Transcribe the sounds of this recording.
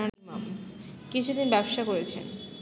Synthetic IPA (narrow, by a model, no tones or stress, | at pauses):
aimamkit͡ɕʰud̪inbɛboʃakoɾet͡ɕʰḛn